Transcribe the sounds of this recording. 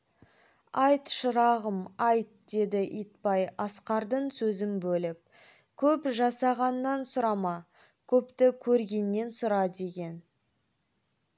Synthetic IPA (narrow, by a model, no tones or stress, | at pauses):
ɑjt̪ʃʊɾɑʁəmɑjt̪̚d̪̥e̞d̪ɪʔit̪̚pɑjɑsqɑɾd̪əɴsɵzɪmbɵlɪp̚ | kʲʰɵpʒɑsɑʁɑnːɑnsʊɾɑmɑ | kʲʰɵpt̪ɪkʲʰɵɾɡʲe̞nːe̞nsʊɾɑd̪e̞ɡʲe̞n